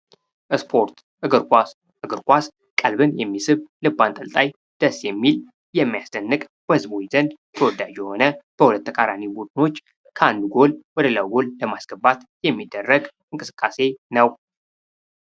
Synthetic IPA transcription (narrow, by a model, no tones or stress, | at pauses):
ʔɨspʰo̞ɾt̪ | ɨɡɨɾkʼa | ɨɡɨɾkʼʷas | kʼəlbɨnjɛmːisɨβlɨbːant̪ʼəlt̪ʼaj | d̪̥əsjɛmːil | jɛmːijasd̪ənːɨkʼb̥əhɨzbo̞t͡ʃz̥ənd̪ | t̪ʰəwɔd̪ad͡ʒjɛho̞nəb̥əhulət̪ːʰəkʼaɾanibud̪ɨno̞t͡ʃː | kʰəand̪uɡo̞lwɔd̪əlawɡolləmasɡ̥əbat̪jɛmːid̪ːərːəɡ | ɨŋkʼɨsɨ̥kʼːase̞nəw